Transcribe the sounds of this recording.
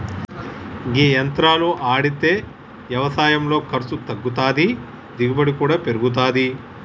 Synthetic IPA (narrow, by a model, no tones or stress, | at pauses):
ɡiːjɐnt̪ɾaːluʔaːɽit̪eː | ʋjɐʋɐsaːjɐmlo̞ːkɐɾsut̪ɐɡːut̪aːd̪i | d̪iɡubɐɽikuːɽaːpe̞ɾuɡut̪̬aːd̪i